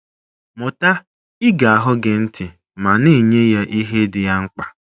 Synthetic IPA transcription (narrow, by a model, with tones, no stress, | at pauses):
mʊ˨ta˦ | ɪ˦ɡa˨a˨ɦʊ˦ɡe˨n̩˦tʰɪ˨ | ma˨ne˦˨ɲe˦ja˦ʔi˦ɦe˦dɪ˨ja˦ŋ͡m̩˦k͡pa˨